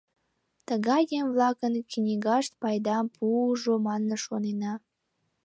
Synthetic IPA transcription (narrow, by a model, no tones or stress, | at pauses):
t̪əɣɑjemvlɑkənknʲiɣɑʃt̪̚pɑjd̪ɑmpʰuuʒomɑnːəʃonenɑ